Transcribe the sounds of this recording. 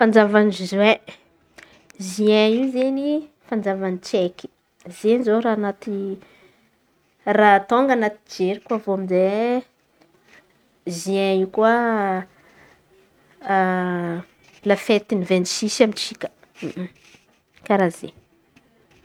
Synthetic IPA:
fand͡ʒavand͡ʒzwɛ̃ | ziɛ̃iwzeni | fand͡ʒavanit͡ʃeki̥ | zenzoɾaːnat̪i | rat̪oŋɡanat̪id͡ʒeɾikavoamize | ziɛ̃ikua | lafet̪inivɛnt̪sisamint͡ʃikʲə̥ | kaɾaze

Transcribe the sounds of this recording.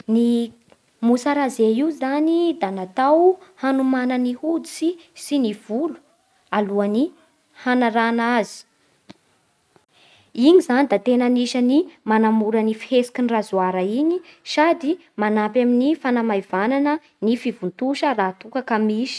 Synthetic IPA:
ni | musaɾazeiuzanid̪anat̪awhanumanənihud̪isisiniv̥ulu̥ | aluani | hanaɾanazi̥ | iɲizanid̪at̪enaniʃanimanamuɾənifihesi̥kinrazuaɾaiɲisad̪i | manapjaminifanamajvananə | nifivunt̪uʃərat̪ukakamiʃi̥

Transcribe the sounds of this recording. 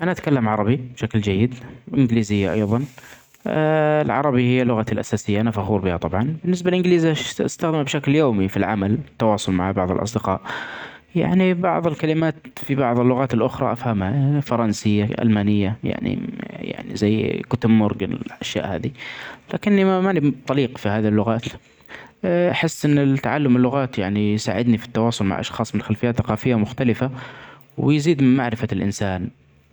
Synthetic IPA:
ʔanaʔat̪kalːamʕɑɾˤɑbibʃakld͡ʒajːɪd̪ʔɪnɡliːzɪjːaʔɑ̰jðˤɑn | ɪlʕɑɾˤɑbihɪjːalːʊɣalʔasaːsɪjːaʔanafaxuːɾbɪhat̪ˤɑbʕɑnbɪnːɪs̬balʔɪnɡliːzaʃst̪axd̪ɪmbʃakljoːmifilʕamalɪt̪ːɑwɑːsˤʊlma̰ʕbɑʕðˤɪ̰lʔɑ̰s̬ˤd̪ɪqɑːʔ | ja̰ʕnibɑ̰ʕðˤɪlkalɪmaːt̪fibɑʕðˤɪlːʊɣaːt̪ɪlʔʊxɾˤɑ̰ʔafhamhafɑɾˤɑnsɪjːaʔa̰lmaːnɪjːaja̰ʕnḭja̰ʕnḭzajːkʊt̪ɪmmʊɾɡɪnɪ̰lʔaʃja̰ːʔha̰ːðilaːkɪnːimamaːnib̚t̪ˤɑliːqfihaːðilːʊɣaːt̪ | ħɪsːʔɪnːɪt̪ːaʕalːʊmɪlːʊɣaːt̪jaʕnijsa̰ːʕɪd̪nifi̥t̪ːɑwɑːsˤʊlma̰ʕʔɑ̰ʃxɑːsˤmɪnxalfɪjːaːt̪θɑqɑːfɪjːamʊxt̪alɪfa | wɪjziːd̪mɪnmaʕɾɪfalʔɪ̰nsaːn

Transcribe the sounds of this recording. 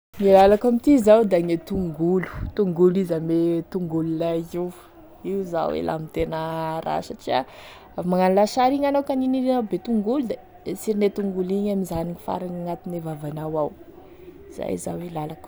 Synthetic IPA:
ŋilalakamit̪izawd̪aŋet̪uŋɡulu̥t̪uŋɡulizamet̪uŋɡululai | iuza̰wḛlʔa̰mit̪enəɾa̰saʈ͡ʂia | maŋanilaʃaɾiŋanawkaniniinawbet̪uŋɡulud̪a | siɾinet̪uŋɡuliɲaminzaniɲifa̰ɾaɲŋat̪inevavanawaw | z̥a̰jzawelalak

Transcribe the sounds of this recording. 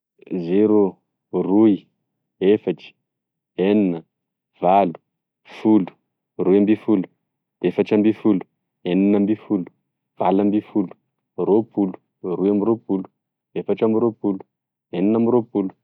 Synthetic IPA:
zeɾo | ruj | efaʈ͡ʂi̥ | eninə | valu̥ | fulu̥ | rujambifulu̥ | d̪̥efaʈ͡ʂambifulu̥ | eninambifulu̥ | v̥alambifulu̥ | ropʰulu̥ | rujamiɾopulu̥ | efaʈ͡ʂamiɾopulu̥ | eninamiɾopulu̥

